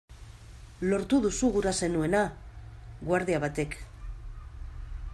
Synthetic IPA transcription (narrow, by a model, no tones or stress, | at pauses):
lo̞ɾt̪uðusuɣuɾase̞nue̞na | ɣwaɾðiaβat̪e̞k